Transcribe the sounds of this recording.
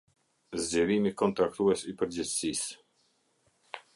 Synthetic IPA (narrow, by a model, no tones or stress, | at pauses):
zd͡ʑɛɾimikɔnt̪ɾakt̪uɛsipəɾd͡ʑɛt͡ssis